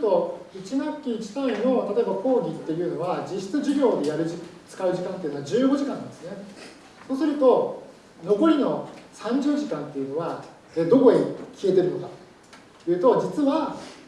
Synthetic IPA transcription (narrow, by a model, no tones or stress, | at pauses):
t̪o̞it͡ɕinakʲːiːt͡ɕi̥t̪aĩno̞t̪at̪o̞e̞bako̞ːɡʲit̪ːe̞jɯ̟ːno̞βad͡ʑiɕi̥t͡sɨʑiɡʲo̞ːd̪e̞jaɾɯ̟ʑit͡sɨ̥kaɯ̟ʑikãnt̪ei̟noad͡ʑɨːɡo̞ʑikãnːãnd̪esɨne̞ | so̞ːsɨɾɯ̟t̪o̞ | no̞ko̞ɾʲino̞sãɲ̟d͡ʑɨːʑikãnt̪ːe̞jiɯ̟no̞βa | eːd̪o̞ko̞ɲʲikʲie̞t̪e̞ɾɯ̟no̞kat̪o̥ | jɯ̟ːt̪o̞d͡ʑit͡sɨβa